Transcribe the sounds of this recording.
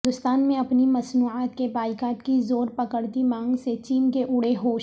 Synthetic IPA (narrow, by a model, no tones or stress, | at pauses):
ɪnd̪ʊst̪aːnmẽɐpnimɐsnuːʕaːt̪kebaːɪkaːʈkizoːɾpɐkəɽt̪imãːŋɡset͡ʃiːnkeʔʊɽeɦoːʃ